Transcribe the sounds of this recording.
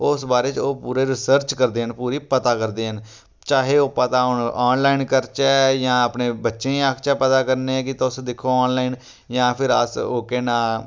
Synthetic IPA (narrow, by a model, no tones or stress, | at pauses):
ʊsbaːɾeːt͡ʃoːpuːɾeːɾɪsəɾt͡ʃkəɾd̪eːɦənpuːɾiːpət̪aːkəɾd̪eːɦən | t͡ʃaːɦeːoːpət̪aːɦʊnɔːnlaːinkəɾt͡ʃɛːjãːəpneːbətːʃẽːiaːkʰt͡ʃaːpət̪aːkəɾneːɛ̃ːkɪt̪aʊsd̪ɪkʰːoːaːnlaːin | jãːpʰɪɾə̰soːkeːnãː